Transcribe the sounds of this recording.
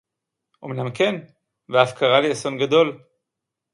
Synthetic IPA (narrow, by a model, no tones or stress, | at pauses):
ʔomnamken | veafkaʁalieso̞nɡado̞l